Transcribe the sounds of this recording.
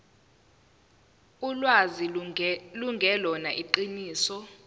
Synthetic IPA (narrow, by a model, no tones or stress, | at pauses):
ulwaziluŋɡʱɛlɔnaʔiǃiniːsɔ